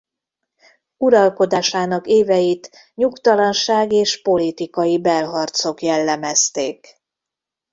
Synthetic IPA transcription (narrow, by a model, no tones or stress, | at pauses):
uɾɒlko̞d̪aːʃaːnɒkeːvɛjit̪ | ɲukt̪ɒlɒnʃaːɡeːʃpo̞lit̪ikɒjibɛlɦɒrt̪so̞kjɛlːɛmɛst̪eːk